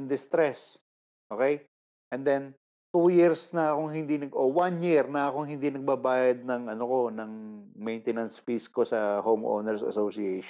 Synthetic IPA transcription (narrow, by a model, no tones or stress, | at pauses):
nd̪ɪst̪ɾɛs | ʔokɛj | ʔɛnd̪ɛn | t̪ujiɹsnɐɐkoŋɦɪnd̪inɐɡʔowanjiɹnɐɐkoŋɦɪnd̪inɐɡ̚bɐbaːjɐd̪̚nɐŋʔɐnoko̞nɐŋmɛjnt̪ɛnɐnsfiskosɐhowmʔo̰nɛɹsɐ̰sowsiɛjʃ